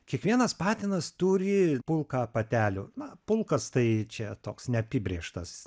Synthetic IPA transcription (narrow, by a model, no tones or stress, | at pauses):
kʲiɛkʋʲiɛnɐspɑːt̪ʲɪnɐst̪uːɾʲɪpʊlˠkɑpɐt̪ʲæːlʲʊːnɐpʊlˠkɐst̪ɐɪt͡ʃʲɛt̪oːksnʲɛɐpʲiːbʲɾʲeɛʃt̪ɐs